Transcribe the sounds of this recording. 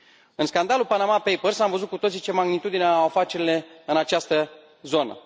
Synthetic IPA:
ɨnskand̪alulpanamapejpərsamvəzut̪̚kut̪o̞t̪sit͡ʃe̞maɡnit̪ud̪ineafat͡ʃeɾile̞ɨnat͡ʃast̪ə | zo̞nə̰

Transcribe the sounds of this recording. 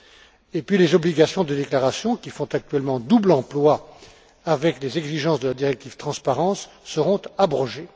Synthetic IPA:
epɥilezɔbliɡasjɔ̃d̪əd̪eklaʁasjɔ̃kʲifɔ̃t̪ak̚t̪ɥɛlmɑ̃d̪ublɑ̃plwa | avɛklezɛɡziʒɑ̃sd̪əlad̪iʁɛk̚t̪iv̥t̪χɑ̃spaʁɑ̃sː | əʁɔ̃t̪abʁɔʒe

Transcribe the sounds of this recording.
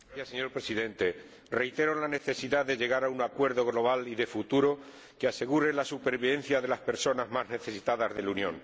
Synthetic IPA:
aθjasːeɲo̞ɾpɾe̞siðe̞nt̪e̞ | re̞jt̪e̞ɾo̞nlane̞θe̞siðaðe̞ʝe̞ɣaɾauŋakwe̞ɾðo̞ɣ̞lo̞β̞aliðe̞fut̪uɾo̞ | kease̞ɣuɾe̞lasupe̞ɾβiβe̞n̟θjaðe̞laspe̞ɾso̞nazmazne̞θe̞sit̪aðazðe̞lunjõ̞̰ŋ

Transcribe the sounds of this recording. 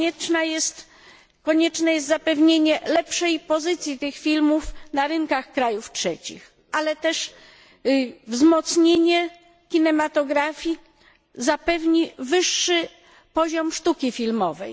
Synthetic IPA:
ɛt͡ʂnajɛst̪ | kɔɲɛt͡ʂnɛjɛst̪zapɛvɲeɲɛlɛpʂɛjpɔzɘt̪sʲjit̪ɘxfʲilmufnaɾɘŋkaxkɾajuftʂɛt͡ɕḭx | ʔalɛt̪ɛʂ | vzmɔt̪sɲeɲɛ | kʲinɛmat̪ɔɡɾafʲji | zapɛvɲivɘʂːɘ | pɔʑɔmʂt̪ukʲifʲilmɔvɛj

